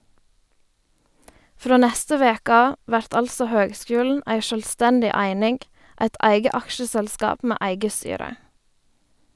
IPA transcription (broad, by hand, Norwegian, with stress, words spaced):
ˈfɾoː ˈnæstə ˈʋeːkə ˈɑː ˈʋæɾt ˈɑlsɔ ˈhøːɡˌskʉːln̩ ˈæɪ ˈʃøːlˌstændɪ ˈæɪnɪŋɡ ˈæɪt ˈæɪɡə ˈɑkʃəsɛlˌskɑːp ˈmeː ˈæɪɡə ˈstyːɾə